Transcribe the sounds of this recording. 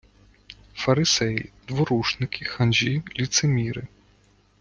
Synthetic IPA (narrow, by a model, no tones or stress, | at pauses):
fɐɾɨsɛjd̪̥ʋɔɾuʂnɪkʰʲixanʲʒʲilʲit̪sɛmʲiɾɨ